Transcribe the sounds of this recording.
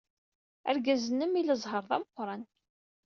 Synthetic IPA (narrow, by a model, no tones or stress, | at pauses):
æ̰ɾɡæzənːəmiləzˤɦəɾˤðˤɑməqʷːɾˤɑn